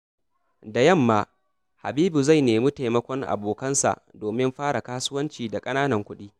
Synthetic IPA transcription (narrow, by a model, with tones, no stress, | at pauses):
da˨jɐ˦˨mːaː˦ | ha̰˨biː˦bu˨za˦˨jneː˨mu˦ta˨jmɐ˦kʷɔ˦ŋʔa̰˨boː˨kɐ˦nsa̰˨ʔdoː˨mɪ˦mɸaː˦ɽa˨kaː˦sʊ˦wɐ˦nt͡ʃiː˨da˨kʼɐ˦naː˦nɐ˨ŋkʷʊ˦ɗiː˦